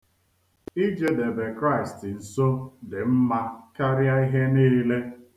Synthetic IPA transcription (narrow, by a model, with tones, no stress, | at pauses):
i˦d͡ʒe˦de˨be˨kɾa˦ɪ˨stn̩˨so˦dɪ˨m̩˦ma˦ka˦ɾja˦i˦ɦe˦niː˦le˦